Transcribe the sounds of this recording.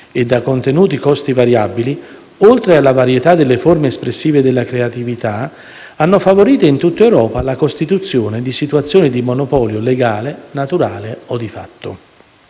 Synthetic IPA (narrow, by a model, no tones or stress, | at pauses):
ed̪ːakont̪enuːt̪ikɔst̪ivaɾjabili | olt̪ɾealːavaɾjet̪ad̪elːeformeːspɾesːiːved̪elːakɾeat̪ivit̪a | anːofavoɾiːt̪oint̪ut̪ːaewɾɔːpalakost̪it̪ut̪sːjoːned̪isit̪wat̪sːjoːnid̪imonopɔːljoleɡaːlenat̪uɾaːleod̪ifa̰t̪ːo̰